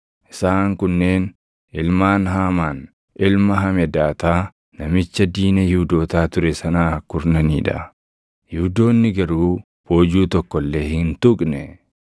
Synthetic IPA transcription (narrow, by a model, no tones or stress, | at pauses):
ʔɪ̥saːŋkʊnːe̞ːn | ɪlmaːnɦaːmaːn | ʔɪlmɐɦɐmɛd̪aːt̪aː | nɐmɪt͡ʃːɐd̪iːnɐjʊːd̪o̞ːt̪aːt̪ʊɾɛsɐnaːkʊɾnɐnḭːᶑɐ̰ | jʊːd̪o̞ːnːɪɡɐɾuː | bo̞ːd͡ʒuːt̪ɔkːɔlːe̞ːhɪnt̪ʊkʼnɛ